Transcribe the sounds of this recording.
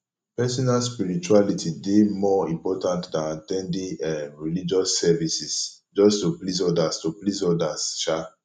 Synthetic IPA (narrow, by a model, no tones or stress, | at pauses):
pɛsɔnalspiɹit͡ʃualitʰidemɔĩmpɔtãntdãnatɛ̃ndĩɛɹilid͡ʒɔsːɛvisis | d͡ʒɔstuplis̬ɔdastoplisɔdast͡ʃa